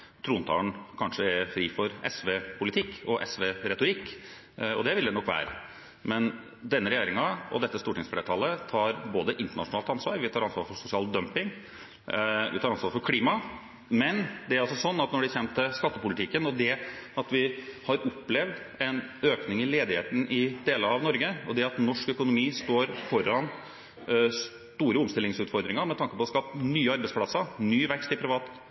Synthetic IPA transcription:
t̪ʰɾuːnt̪ʰɑ̰ːɳkʰɑnʂəɛɾfɾiːfɔɾɛsʋeːpʰʊlɪt̪ʰɪkːɔʔɛsʋeɾɛt̪ʊɾɪkː | ɔd̪ɛʋɪld̪ɛnɔkːʋæ̰ːɾə̰ | mɛn | d̪ɛnːəɾɛjeːɾɪŋɑɔ̰d̪ɛt̪ːəst̪uːʈɪŋsfleːʈ̪ʰɑlːət̪ʰɑːɾboːd̪əʔɪnt̪əɳɑʂʊnɑːlt̪ɑnsʋɑ̰ːɾʋɪt̪ʰɑːɾɑnsʋɑːɾfɔɾsʊsɪɑːld̪œmpɪŋ | ʋɪ̰t̪ʰɑːɾɑnsʋɑːɾfɔɾkʰliːmɑ | mɛnd̪ɛæɾɑlsɔsɔnːɑt̪nɔɖɪçɛnt̪əskɑt̪ːəpʊlɪt̪ʰɪkːənɔd̪ɛɑt̪ʋɪhɑɾɔpːlɛʋd̪ | ɛnøːknɪŋɪleːd̪ɪhḛːt̪ən̩ʔɪd̪eːləɾɑʋnɔɾɡəɔd̪ɛɑt̪nɔʂkœkʊnʊmiːst̪oːɾfɔɾːɑn | s | t̪uːɾəʊmst̪ɪlːɪŋsʉːt̪fɔɾd̪ɾɪŋɑɾmɛt̪ʰɑŋkəpɔskɑp̚t̪nyːəɑɾbɛɪspʰlɑsənyːʋɛkst̪ɪpʰɾɪʋɑːt̪

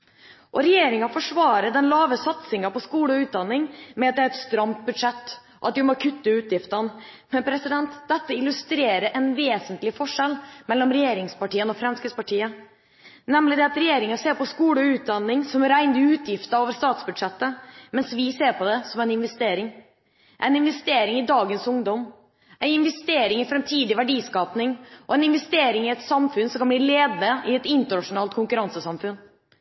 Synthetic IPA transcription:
ʔɔɾɛjeːɾɪŋɑfɔʂʋɑːɾəd̪ɛnlɑːʋəsɑt̪sɪŋɑpɔskuːɽəɔʉːt̪̚d̪ɑnːɪŋmɛɑt̪̚d̪ɛæɾɛt̪st̪ɾɑmt̪̚bʉd̪ʂɛt̪ː | ɔɑt̪d̪ɪmɔkʰʉt̪ːəʉːt̪jɪft̪ən | mɛnpʰɾɛsɪd̪ɛnt̪d̪ɛt̪ːəɪlːʉst̪ɾeːɾəʔɛnʋeːsənt̪lɪfɔʂɛlːmɛlːɔmɾɛjeːɾɪŋspɑʈiːənɔfɾɛmskəspɑʈʰiːə | nɛmlɪd̪ɛɑt̪ɾɛjeːɾɪŋəseːɾpɔskuːləʉːt̪̚d̪ɑnːɪŋsɔmɾæɪnd̪əʉːt̪ʰjɪft̪əɾoːʋəɾʂt̪ɑːt̪sbʉd̪ʂɛt̪ːəmɛnsʋɪseːɾpʰɔd̪ɛsɔmæɪnɪnʋɛst̪eːɾɪŋ | ʔæ̰ɪnɪnʋɛst̪eːɾɪŋɪd̪ɑːɡənsʊŋd̪ɔm | ʔæɪɪnʋɛst̪eːɾɪŋɪfɾɛmt̪ʰiːd̪ɪʋæɖiːskɑːpnɪŋʔɔɛɪnɪnʋɛst̪eːɾɪŋɪɛt̪sɑmfʉnsɔmkʰɑnbliːleːd̪nəɪɛt̪ɪnt̪əɳɑʂʊnɑːlt̪̚kʰʊŋkʉɾɑnsəsɑmfʉn

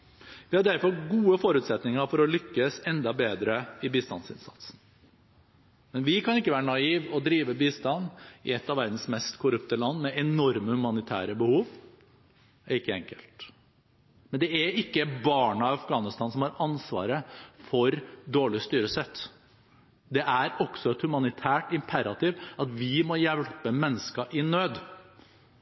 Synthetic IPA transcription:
ʋɪhɑɖæɾfɔɾɡuːəfɔɾʉːt̪sɛt̪nɪŋəɾfɔɾɔlʏkːəsɛnd̪ɑbeːd̪ɾəɪbiːst̪ɑ̰nsɪ̰nsɑ̰t̪sn̩ | mɛnʋɪkʰɑnɪkːəʋæːɾəɳɑiːʋɔd̪ɾiːʋəbiːst̪ɑnːɪ̰ɛt̪ːɑʋæɾd̪n̩smɛst̪kʰʊɾʉpt̪əlɑnːmɛʔɛnɔɾməhʉmɑnɪt̪ʰæ̰ːɾəbəhuːʋ | æɾɪkːəɛŋkəlt̪ | mɛnd̪ɛæɪkːəbɑːɳɑɪɑfɡɑːnɪst̪ɑːnsɔmhɑɾɑnsʋɑ̰ːɾəfɔɾd̪oːɭɪst̪yːɾəsɛt̪ː | d̪ɛʔæɾɔɡsɔɛt̪hʉmɑnɪt̪ʰæːʈɪmpʰæɾɑt̪ɪʋɑt̪ʋɪmɔjɛlpəmɛnːəskɑʔɪnøːd̪

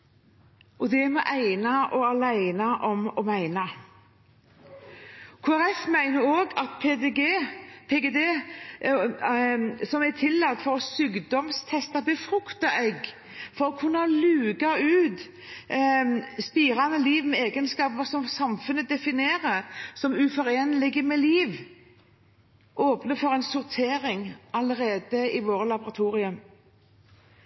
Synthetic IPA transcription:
ʔɔd̪ɛmɔʔæɪnɑʔɔɑlæɪnɑʔɔmɔmæɪnɑ | kʰuːæɾɛfmæɪnəɾoːɡɑt̪pʰeɡepʰeɡed̪eː | sɔmæt̪ʰɪlːɑt̪ːfɔɾɔsyːɡd̪ɔmst̪ʰɛst̪ɑbəfɾʉkt̪ɑʔɛɡ | fɔɾɔkʰʉnːɑlʉːɡɑʉːt̪ | spiːɾɑnəliːʋmɛeːɡənskɑːpəsɔmsɑmfʉnːəd̪ɛfɪneːʁəsɔmʉfɔʁeːnəlɪɡəmɛliːʋ | ʔoːpnəfɔʁɛɪnsʊʁt̪ʰeːɾɪŋɑləʁeːd̪əɪʋoːɾəlɑbʊʁɑt̪ʰuːʁɪʉm

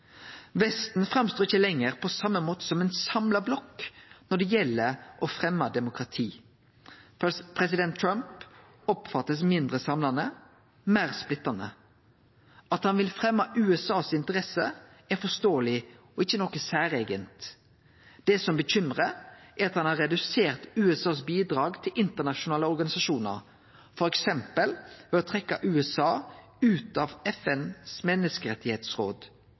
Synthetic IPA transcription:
ʋɛst̪n̩fʁɑmst̪oːʁɪçəlɛŋːəʁpʰɔsɑmːəmoːt̪ə̥sɔmɛnsɑmlɑblɔkːnɔɖ̪ɛjɛlːəɾʔɔfʁɛmːɑd̪ɛmʊkʁɑt̪ʰiː | pʰʁɛs̬ɪd̪ɛnt̪ʰːɾɑmp | ɔpfɑt̪ːəsmɪnd̪ʁəsɑmlɑnə | mæːʁsplɪt̪ːɑnə̰ | ɑt̪hɑnʋɪlfʁɛmːɑʔʉːɛsɑːsɪnt̪əʁɛsə | æfɔst̪oːəlɪɔɪçːənɔkːəsæːɾeːɡənt̪ | d̪̥ɛsɔmbəçʏmʁəæɾɑt̪hɑnhɑʁɛd̪ʉseːʁt̪ʉːɛsɑːsbiːd̪ɾɑːɡt̪ʰɪlʔɪnt̪əʁnɑʃʊnɑːləɔɾɡɑnɪsɑʃuːnə̰ɾ | fɔɾɛksɛmpəlʋɛɔt̪ʰʁɛkːɑʔʉːɛsɑː | ʉːt̪ɑʋɛfɛnsmɛnːəskəɾɛt̪ːɪheːt̪sʁo̰ːd̪

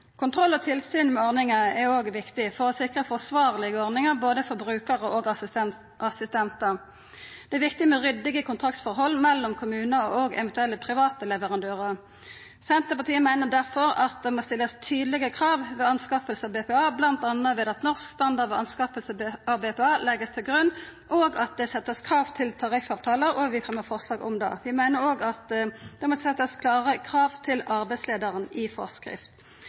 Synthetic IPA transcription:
kʰʊnt̪ʰʁɔlːɔt̪ʰɪlsyːnmɛɔʁnɪŋəɛʁoːɡʋɪkt̪ɪfɔʁɔsɪkʁəfɔsʋɑːʁlɪɡəɔʁnɪŋəʁboːd̪əfɔʁbʁʉːkəʁəʔoːɡ | ʔɑsɪst̪ɛnt̪əʁ | d̪̥ɛæʋɪkt̪ɪmɛʁʏd̪ːɪɡəkʊnt̪ʰʁɑkt̪sfɔʁɦɔlːmɛlːɔmkʰʊmʉːnəoːɡɛ̰ʋɛnt̪ʉɛlːəpʰʁɪʋɑːt̪əlɛʋəʁɑnd̪øːʁəʁ | sɛnt̪əpɑt̪ʰiːəmæɪnəd̪æʁfɔʁɑt̪̚d̪ɛmoːst̪ɪlːəst̪ʰyːd̪lɪɡəkʰʁɑːʋʋɛɑnskɑːpəlsəɑbeːpɛːɑːblɑnt̪ɑnːəʋɛd̪ɑt̪nɔʁskst̪ɑnd̪ɑʁd̪ʋɛɑnskɑːpəlsəɑbeːpɛɑːlɛɡəst̪ʰɪlɡʁʉnːʔoːɡɑt̪̚d̪ɛsɛt̪ːəskʰʁɑːʋt̪ʰɪlt̪ʰɑʁɪfɑːʋt̪ʰɑːləɾɔʋɪfʁɛməfɔʁslɑːɡɔ̰md̪ɑ̰ʋɪmæɪnəɾoːɡɑt̪d̪̥ɛmosɛt̪ːəskʰlɑːʁəkʰʁɑːʋt̪ʰɪlɑʁbæɪsleːd̪əʁənɪfɔ̰ʁskʁɪ̰ft̪

